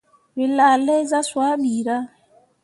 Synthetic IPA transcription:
βɪ˨la˨lɛ˦za˦swa˦ɓiː˨ɾa˦

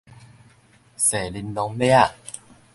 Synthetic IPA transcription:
se˨˩li˧nlɔ˧˦ŋlja˥˨

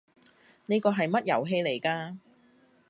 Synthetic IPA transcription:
neː˥kɔː˧ɦɐ˨jmɐ˥t̚jɐ˨˩wɦe˧jle˨˩jkaː˧

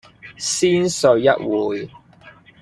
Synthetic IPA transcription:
siː˥nsɵ˨˧ɥjɐ˦˥t̚wuː˨j

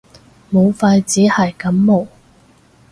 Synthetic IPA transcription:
mo˨˧wfaː˧jt͡siː˨˥hɐ˨jkɐ˨˥mːo˨˩w

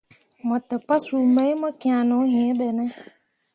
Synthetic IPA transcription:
mɔ˨tɛ˨pa˦su˨mẽ˦i˦mɔ˦ki˨a˨nʊ̃˨˦ɦĩ˨e˦bɛ˨nɛ̃˦

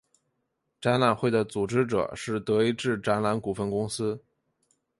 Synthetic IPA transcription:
ʈ͡ʂa˥nla˨˩nxwe˥˩ɪd̪ə˩t͡su˨˩ʈ͡ʂɻ̩˥ʈ͡ʂɤ̰˨˩ʂɻ̩˥˩t̪ɤ˧˥i˧˥ʈ͡ʂɻ̩˥˩ʈ͡ʂa˧˥nla˧˥nku˨˩fə˥˧nkʊ˥ŋsɹ̩˥

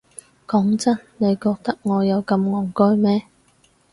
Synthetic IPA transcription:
kɔː˨˥ŋt͡sɐ˥nne˨˧jkɔː˧k̚t̪ɐ˥k̚ŋɔː˨˧jɐ˨˧wkɐ˧mŋɔː˨˩ŋkɔː˥jmɛː˥

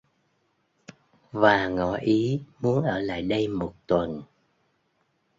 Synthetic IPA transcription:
vaː˨˩ŋɔ̰˧˩˦ʔi˨˦mu˨˦ənʔəː˧˩la̰ː˧˨jɗə˧jmo˨˩t̚t̪wə˨˩n

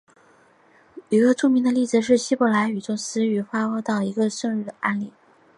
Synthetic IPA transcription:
i˧˥ɡə˧ʈ͡ʂʰu˥˧mi˧˥ŋd̪ə˧li˥˩d͡zɹ̩˩ʂ̬ɻ̩˥˩ɕi˥pɔ˧˥la˧˥ɪy˨˩ʈ͡ʂʊ˥˩ŋsɹ̩˥y˧˩xwa˥wɔ˥t̪ɑ˥˩ʊi˧˥ɡə˧ʂɤ˥˧ŋy˥˩d̪ə˨˩a˥nli˨˩˦

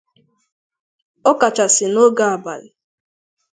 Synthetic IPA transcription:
ɔ˦ka˨t͡ʃa˨sɪ˨no˦ɡa˨a˨ba̰˨lɪ˨

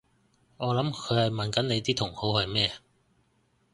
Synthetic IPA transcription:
ŋɔː˨˧lɐ˨˥mkʰɵ˨˧ɥhɐ˨˩jmɐ˨nkɐ˨˥nne˨˧jt̪iː˥t̪ʰʊ˨˩ŋho˨˥whɐ˨jmɛː˥

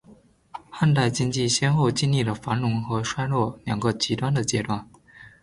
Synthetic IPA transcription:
xa˥˧nt̪a˥˩ɪt͡ɕi˥ŋt͡ɕi˥˩ɕjɛ˥nxo˥˧ʊt͡ɕi˥˧nli˥˩lə˩fa˧˥nlʊ˧˥ŋxɤ˧˥ʂwa˥ɪlwɔ˥˩ljɑ˨˩ŋɡə˧t͡ɕi˧˥t̪wa˥nd̪ə˨˩t͡ɕjɛ˥t̪wa˥˩n

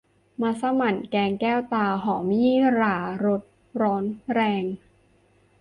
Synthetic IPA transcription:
maː˧sa˧ma˨˩nkɛː˧ŋkɛː˥˩wt̪aː˧ɦɔː˩˦ŋmiː˦˥ɾaː˨˧˩ɾo˦˥t̪̚ | ɾɔː˦˥nɾɛː˧ŋ

